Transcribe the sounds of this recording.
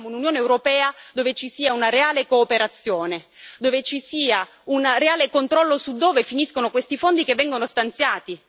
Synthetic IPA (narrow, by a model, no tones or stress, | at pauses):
moununjoːneːwɾopɛːad̪oːvet͡ʃisiːaunaɾeaːlekoːpeɾat̪sːjoːne | d̪ovet͡ʃisiːa | unreaːlekont̪ɾɔlːosud̪ːoːvefiniskonokwest̪ifond̪ikevːɛŋɡonost̪ant̪sjaːt̪i